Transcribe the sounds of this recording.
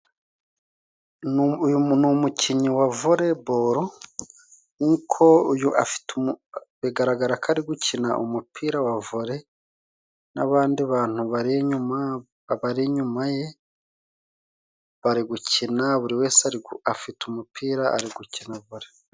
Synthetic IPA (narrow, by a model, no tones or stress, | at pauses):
numucʰiɲiwavuɾe̞boɾo | nikʰo̞ujuafi̥tuβiɡaɾaɡaɾakʰaɾiɡucʰina̰ʔṵmupʰiːɾawavuɾe̞ | naβaːndiβaːn̥huβaɾɲuma | βaɾiɲumaje̞ | βaɾiɡucinaβuɾiwe̞ːsaɾiafitumupʰiːɾaʔa̰ɾiɡucinaβuɾe